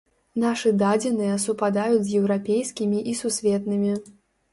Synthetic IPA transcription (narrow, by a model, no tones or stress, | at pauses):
naʂɨd̪ad͡zʲɛnɨjɐsupad̪ajud͡zʲzʲjɛwɾapʲejskʲimʲiʔisusʲvʲɛt̪nɨmʲi